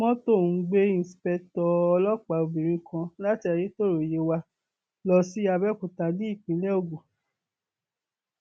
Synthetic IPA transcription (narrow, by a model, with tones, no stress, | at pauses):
mɔ̃˦to˦˨˧ɡ͡be˦ĩ˦˨si˨pɛ˧tɔ˧ɔ˧lɔ˦k͡pa˨o˧bĩ˨ɾ̃ĩ˧kʰã˧la˦ti˦a˧je˦to˦˨ɾo˨je˨˦wa˧ | lɔ˧si˦a˧bɛ˦˨kũ˨ta˧di˦i˦˨k͡pĩ˨˦lɛ˦o˧˨ɡo˨